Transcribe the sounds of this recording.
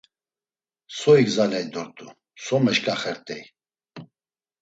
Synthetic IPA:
sɔiɡzalɛjd̪ɔɾt̪ʼu | sɔmɛʃkʼaχɛɾt̪ʼɛj

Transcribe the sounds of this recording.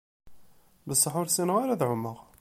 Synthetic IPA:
bəsˤːəħʊɾsinəʁaɾaðʕʊmːəʁ

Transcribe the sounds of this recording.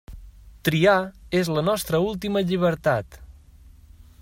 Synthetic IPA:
t̪ɾiaezlənɔst̪ɾəulˠt̪iməʎiβ̞əɾt̪at̪

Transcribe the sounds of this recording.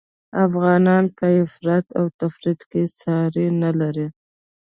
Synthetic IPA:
afɣɑnɑnpəɪfɾat̪awt̪afɾid̪kesɑɾinalaɾi

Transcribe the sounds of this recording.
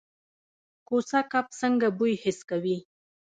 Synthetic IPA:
kosakap̚səŋɡabujhɪskawi

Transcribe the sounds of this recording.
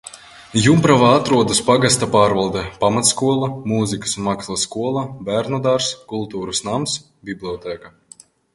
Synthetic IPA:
jumpɾavaːat̪ɾuɔd̪aspaɡast̪apaːɾvalˠd̪ɛpamat̪skuɔlˠamuːzikḁsunmakslˠaskuɔlˠabæɾnɔd̪aɾskulˠt̪uːɾusnams | bʲiblʲˠiɔt̪ɛːka

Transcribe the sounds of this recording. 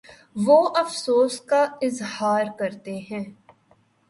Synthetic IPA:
ʋoʔɐfsoːskaɪzhaːɾkɐɾt̪eɦɛ̃ː

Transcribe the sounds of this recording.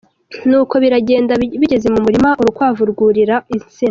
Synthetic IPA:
nuːko̞βiɾaɟe̞ːndaβiɟe̞ze̞mumuɾimaʔuɾukwaːvuɾɡuɾiɾaisin

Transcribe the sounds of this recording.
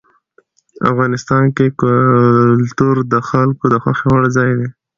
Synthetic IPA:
a̰fɣɑnɪst̪ɑnkek | lt̪uɾd̪əxalkod̪əxwaxewəɽzɑjd̪e

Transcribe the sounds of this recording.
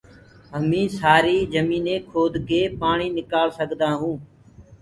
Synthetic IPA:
ɦəmĩːsaːɾiːzəmiːnẽːkʰoːd̪ɡeːpaːɳiːnɪkaːlsəɡʱd̪aːɦũː

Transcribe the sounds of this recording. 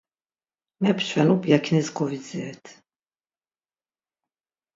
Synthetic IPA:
mɛpʰʃʰwɛnɔbijakʰnɛzɡɔvid̪zɛːt̪ʰ

